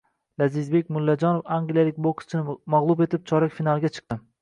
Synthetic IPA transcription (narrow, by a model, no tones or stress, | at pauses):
lazɪzbe̞kʲmʊlːad͡ʒɒnofaŋɡʲlijalɪkʲbokst͡ʃʰɪnɪmaʁlˠʊbe̞t̪ʰɪp̚t͡ʃʰɒɾakʲfinalˠɡʲat͡ʃʰɨ̥q̚t̪ɪ